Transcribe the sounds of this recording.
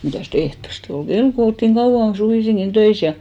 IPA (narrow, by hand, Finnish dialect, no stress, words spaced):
mitæˑst ehtoste ol ɡ̊el ko oltːiŋ kɑuw̆ɑn suʋiˑsiŋkin tøis jɑ